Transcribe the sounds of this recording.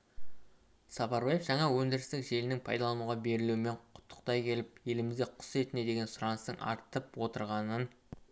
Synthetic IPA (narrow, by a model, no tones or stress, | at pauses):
sɑpɑɾbɑjefʒɑɴɑwɵŋd̪ɪɾɪst̪ɪkʒe̞lɪnɪŋpʰɑjd̪ɑlˠɑnuʁɑbe̞ɾɪluwɪme̞ɴqʰʊ̥t̪ʰːə̥qt̪ɑjkʲʰe̞lɪp̚je̞lɪmɪzd̪e̞qʰʊ̥se̞t̪ɪne̞d̪e̞ɡʲe̞nsʊɾɑnəst̪əŋʔɑ̰ɾt̪əpwo̞t̪əɾʁɑnən